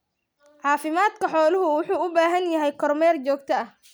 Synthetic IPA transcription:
ʕɑːfɪmaːd̪kʰɐħɔːlʊɦʊwʊħuːʊbaːɦɐnjɐɦɛjkʰɔrmɛːrt͡ʃɔːɡ̚t̪ʰɐɐh

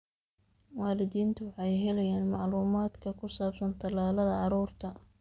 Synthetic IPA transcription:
waːlɪðiːnt̪ʰʊwɑħɑjɦɛlɛjaːnmɑʕluːmaːd̪kʰɐkʰʊsaːbsɐnt̪ʰɐlaːlɐðɐɑɾuːrt̪ʰɐ

